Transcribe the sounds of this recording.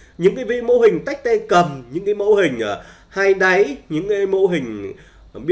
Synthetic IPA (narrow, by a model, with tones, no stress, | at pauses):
ɲɨ̰˧˥ŋkaː˨˦jvḭ˧˥mo̰˧ɦï˨˩ŋ̟t̪a˦˥jk̚t̪a˧kə˨˩mɲɨ̰˧˥ŋkaː˨˦jmo̰˧˥ɦï˨˩ŋ̟ʔ | haː˧jɗa˨˦jɲɨ̰˧˥ŋka˨˦jmo̰˧ɦï˨˩ŋ̟ | ɓi˦˥